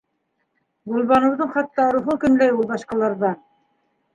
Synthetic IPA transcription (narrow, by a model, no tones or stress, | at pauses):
bulˠβɑnɤ̆wðɤɴχɑt̪ːɑɾuɦɤkɵ̆nlæjulˠβɑʃqɑlˠɑɾðɑn